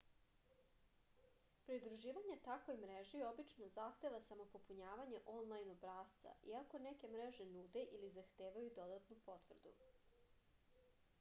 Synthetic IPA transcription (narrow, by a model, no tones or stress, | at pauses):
pɾiud̪ɾuʒiːʋaɲet̪akʋo̞jmɾeʒio̞bit͡ʃno̞zaxt̪e̞ʋasamo̞po̞puɲaːʋaɲeʔonlˠajnobɾaːst̪sa̰ʔiako̞neke̞mɾeʒenud̪e̞ʔilizaxt̪eːʋajud̪o̞d̪at̪nupo̞t̪ʋr̩d̪ṵ